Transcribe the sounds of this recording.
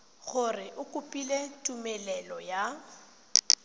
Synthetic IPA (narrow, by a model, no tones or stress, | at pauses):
ɣʊrɪʔʊkʼʊpʼiletʼumɛlɛlɔja